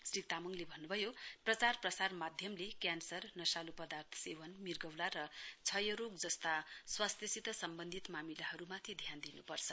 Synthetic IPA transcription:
srit̪amʌŋlebʱʌnːubʱʌjoprʌt͡sarprʌsarmad̪ʱjʌmlekjansʌrnʌsalupʌd̪art̪ʰʌ̥sewʌnmirɡʌwlaɾʌt͡sʰʌjʌɾokd͡zʌst̪aswast̪ʰjʌsit̪ʌsʌmbʌnd̪ʱit̪mamilaɦʌɾumat̪ʰid̪ʱjand̪inupʌrt͡sʰʌ

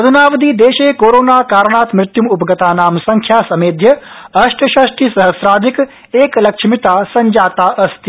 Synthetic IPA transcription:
ɐd̪ʱunaːʋɐd̪iːd̪eːʃeːkoːɾoːnaːkaːɾɳ̃aːt̪mɾɪt̪jumupɐɡɐt̪aːnaːmsɐ̃ŋkʰjaːsɐmeːd̪ʱjɐ | ɐʃʈʰɐʃɐʃʈisɐɦəsɾaːd̪ʱik | eːklɐkʃmit̪aːsɐɲd͡ʒaːt̪aːʔɐst̪i

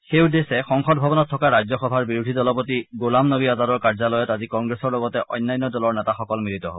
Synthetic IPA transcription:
xeʊdesɛxɔŋxɔd̚bʱɔbɔnɔtʰːɔkaɹajzɔxɔbʱaɹbiɹudʱidɔlɔpotiɡolamnobiazaɾɔɹkaɹzalɔjɔtazikɔŋɡɹesɔɹlɔɡɔtɛʔɔjnːajnːɔdɔlɔɹnɛtaxɔkɔlmilitɔɦob

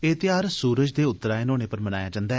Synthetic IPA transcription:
eːt̪ɪjaːɾsuːɾəd͡ʒd̪eːʊt̪ːəɾaːenoːɽ̃eːpəɾmənaːjaːd͡ʒãːnd̪aː

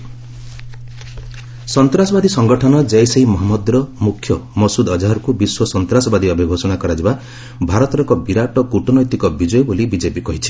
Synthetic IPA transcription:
sɔnt̪ɾasɔbad̪isɔŋɡɔʈʰɔnɔd͡ʒejseimɔɦamːɔd̪ɾɔmukʰːjɔmɔsud̪ɔd͡ʒaɦɔɾɔkubiswɔsɔnt̪ɾasɔbad̪iɔbʱibʱosɔnakɔɾad͡ʒiba | bʱaɾɔt̪ɔɾɔŋkɔbiɾaʈɔkuʈɔnɔjt̪ikɔbid͡ʒɔjɔbolibid͡ʒepikɔɦit͡ʃʰi̥

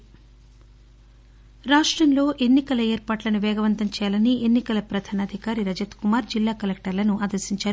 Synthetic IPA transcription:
ɾaːʂʈɾɐmlo̞ːʔenːikɐlɐeːɾpaːʈlɐnuʋɛːɡɐʋɐnt̪ɐmt͡ʃɛːjɐlɐniʔenːikɐlɐpɾɐd̪ʱaːnaːd̪ʱikaːɾiɾɐd͡ʒɐt̪kumaːɾd͡ʒilːaːkɐlek̚ʈɐɾlɐnuʔaːd̪ɐɾsiɲt͡ʃaːɾu

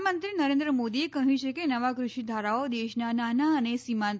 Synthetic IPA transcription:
mənt̪ɾinəɾẽnd̪ɾəmod̪iekəɦũt͡ʃʰekenəʋakɾʊʃid̪ʱaɾaod̪eʃnananaənesima

